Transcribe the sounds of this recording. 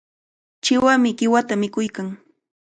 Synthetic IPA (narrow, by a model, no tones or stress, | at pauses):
t͡ʃɪwamɪɢɪwat̪amɪkʊjkaŋ